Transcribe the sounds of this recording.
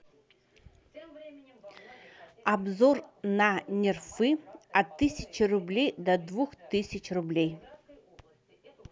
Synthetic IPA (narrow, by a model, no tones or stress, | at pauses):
abzornanʲerfɨat̪ːɨsʲɪt͡ʃʰirublʲejd̪ɐd̪vuxt̪ɨsʲɪt͡ʃʰrublʲej